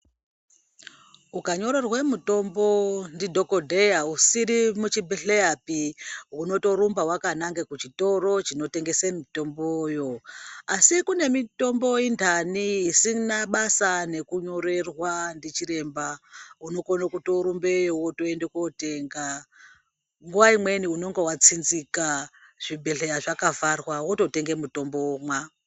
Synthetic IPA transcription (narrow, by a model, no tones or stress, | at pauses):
ukaɲo̞ɾe̞rwemuto̞mbo̞ndidʱo̞kodʱejausiɾimut͡ʃibeɬeapiuno̞to̞ɾumbawakanaŋɡekut͡ʃito̞ro̞t͡ʃino̞te̞ŋɡe̞semito̞mbojo̞asikune̞mito̞mbo̞intanisinaɓasane̞kuɲo̞ɾe̞rwandit͡ʃiɾe̞mbauno̞konokuto̞ɾumbe̞jowoto̞endekote̞ŋɡa | ŋɡuʋaimwe̞niuno̞ŋɡowat͡sinzikaʐ̥ibʱe̞ɬe̞jaʐakavarwawoto̞te̞ŋɡe̞muto̞mbomwa